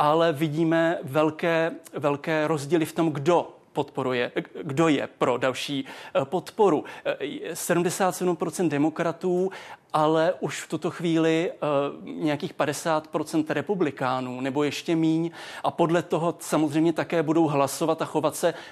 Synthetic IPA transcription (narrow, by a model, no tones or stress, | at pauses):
ʔalɛvɪɟiːmɛvɛlkɛːvɛlkɛːɾo̞zɟiːlɪft̪o̞mɡdo̞ | pot̪po̞ɾujɛɡdo̞jɛ̰pɾo̞dalʃiːpo̞t̪po̞ɾu | sɛdumdɛsaːt̪sɛdumpɾot͡sɛnt̪̚dɛmo̞kɾat̪uːʔalɛʔuʃft̪ut̪o̞xviːlɪ | ɲɛjakiːxpadɛsaːt̪pɾo̞t͡sɛnt̪ɾɛpublɪkaːnuːnɛbo̞jɛʃcɛmiːɲʔapo̞dlɛt̪o̞ɦo̞samozr̝ɛjmɲɛt̪akɛːbudo̞wɦlaso̞vat̪axo̞vat̪sɛ